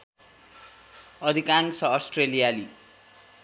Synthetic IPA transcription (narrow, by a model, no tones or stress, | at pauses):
ʌd̪ʱikaŋsʌːsʈrelijali